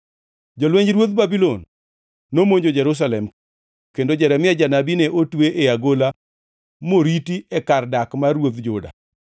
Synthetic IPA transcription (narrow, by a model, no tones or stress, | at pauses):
d͡ʒolweɲd͡ʒɾwot̪̚babilonː | omoɲd͡ʒod͡ʒɛɾus̬alɛm | kendod͡ʒɛɾɛmɪɛd͡ʒanabinɛʔotweʔeaɡola | moɾitiɛkardakmarwot̪d͡ʒʊda̰